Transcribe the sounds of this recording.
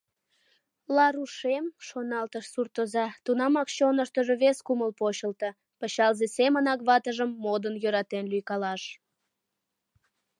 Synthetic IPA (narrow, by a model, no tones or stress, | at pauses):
lɑɾuʃemʃonɑlt̪əʃsurt̪ozɑt̪unɑmɑkɕonəʃt̪əʒoβeskuməlpot͡ɕəlt̪ə | pəɕɑlzesemənɑkβɑt̪əʒəmːod̪ənjøɾɑt̪enlyjkɑlɑʃ